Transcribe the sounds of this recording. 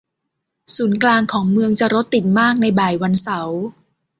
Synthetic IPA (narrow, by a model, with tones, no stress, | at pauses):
suː˩˦nklaː˧ŋkʰɔː˩˦ŋmɯ˧əŋt͡ɕa˨˩ɾo˦˥t̪ːi˨˩t̪̚maː˥˩k̚na˧jbaː˨˩jwa˧nsa˩˦w